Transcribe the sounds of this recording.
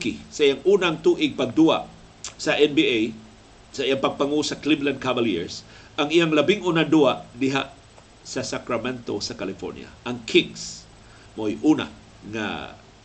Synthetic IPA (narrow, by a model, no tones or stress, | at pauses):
kɪsaʔijaŋʔuːnaaŋt̪uʔɪɡ̚paɡ̚d̪ua̰ʔ | saʔɛnbiej | saʔijaŋpaɡ̚paŋusakliblankavaljḭɹs | ʔaŋijaŋlabɪŋʔunaduaʔdɪɦa̰ʔ | sasakɾamɛnt̪osakalɪfo̰ɾnɪ̰a̰ʔaŋkʰɪɡs | mojʔuna̰ | ŋa̰